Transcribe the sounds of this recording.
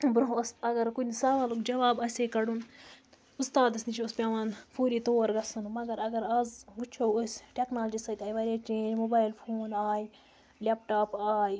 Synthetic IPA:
bɾoɦɐsɐɡɐɾkunʲsɐʋɐːlukd͡ʒɐʋaːbɐsʲeːkɐɽun | ust̪aːd̪ɐsʲnit͡ʃʰoɐspʲaːʋaːnfʰuːɾiːt̪oːɾɡɐsɐnumɐɡɐɾɐɡɐɾɐzut͡ʃʰɐwosʲʈʲeknaːld͡ʒiːsɐt̪ʲaːjʋɐɾʲeːt͡ʃeːnmobaːilfʰoːnaːj | lʲepʈaːpaːj

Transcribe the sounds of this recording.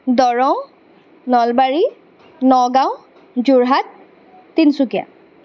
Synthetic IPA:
dɔɹɔw | nɔlbaɹi | nɔɡaw̃ | zuɹɦatː | insukija̰

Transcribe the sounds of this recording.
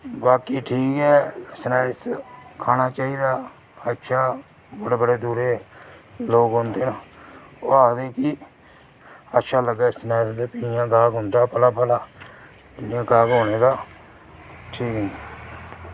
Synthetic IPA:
baːkiːʈʰiːkɛːsnaːɪskʰaːnaːt͡ʃaːiːd̪aː | ətːʃʰaː | bəɽeːbəɽeːd̪uːɾeː | loːɡɦʊ̃nd̪eːnaːoːaːkd̪eːki | ətːʃʰaːləɡɛːsnaːɪsd̪eːpiːjãːɡaːɡɦʊnd̪aːpəlaːpəlaː | ɪliãːɡaːɡɦoːñeːd̪aː | ʈʰiːkɦʊ̃ni

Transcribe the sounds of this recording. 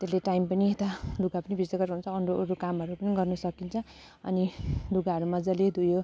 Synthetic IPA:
t̪eleʈajmpʌniet̪aluɡapʌnibʱisʌɡʌrɦunt͡sʰʌːɳɖoɾukamʌɾupʌniɡʌrnusʌkint͡sʰʌ | ʌ̰niluɡaɦʌɾumad͡zʌled̪ʱujo

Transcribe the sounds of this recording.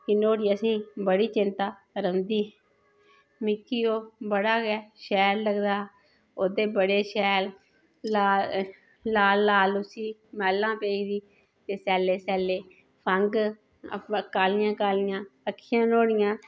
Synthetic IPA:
kɪnoːɽiːəsĩːbəɽiːt͡ʃɪnt̪aː | ɾəmd̪iː | mɪkːiːoːbəɽaːɡɛːʃɛːɾləɡd̪aː | oːd̪eːbəɽeːʃɛːl | aː | laːlːaːlʊsiːmɛːlːãːpeːiːd̪iː | t̪eːsɛːleːsɛːleː | pʰəŋɡ | kaːlɪjãːkaːlɪjãːəkʰːɪjãːnoːɽɪjãː

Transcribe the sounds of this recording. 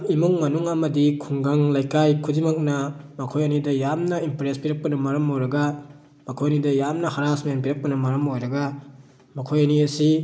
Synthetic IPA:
imuŋmɐnuŋɐmɐdikʰuŋɡɐŋlajkajkʰudimɐk̚nɐmɐkʰojɐnidɐjamnɐimpɾespiɾɐk̚pɐnɐmɐɾɐmojɾɐɡɐ | mɐkʰojɐnidɐjamnɐhaɾasmɐjanpiɾɐk̚pɐnɐmɐɾɐmojɾɐɡa | mɐkʰojɐniɐsi

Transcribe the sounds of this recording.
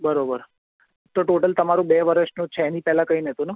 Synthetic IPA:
bəɾobəɾ | t̪oʈoʈəlt̪əmaɾũbeʋəɾəʃnũt͡ʃʰɛɛnipɛɦlãkəinəɦet̪ũnu

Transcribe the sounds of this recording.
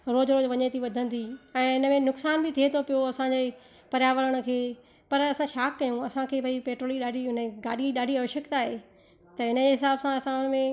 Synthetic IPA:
ɾoːd͡ʑɾoːd͡ʑʋɐɲet̪ʰiʋɐd̪ʱə̃nd̪ʰiɛ̃ːɪnə̆mẽnʊksaːnbʱɪt̪ʰiet̪ʰopijoɐsãd͡ʑeː | pɐɾjaːʋəɾəɽ̃ə̆kʰeː | pɐɾɐsãʃaːkːɐjũɐsãkʰeːbʱɐipeːʈɾoːliɗaːɖʱiɦʊnəɡaːɗiɗaːɖʱiɐʋʃəkt̪aːɦeː | t̪ɐɪnə̆d͡ʑeɦɪsaːbsãɐsãʊnmẽ

